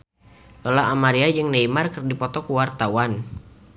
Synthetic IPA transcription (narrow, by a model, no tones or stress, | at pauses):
lolaamaɾiad͡ʒɨŋneimarkɨrdipɔt̪ɔkuwart̪awan